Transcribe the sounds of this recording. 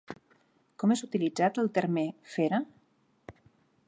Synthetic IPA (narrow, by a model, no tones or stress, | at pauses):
kɔmezut̪ilid͡zat̪əlˠt̪eɾmefeɾa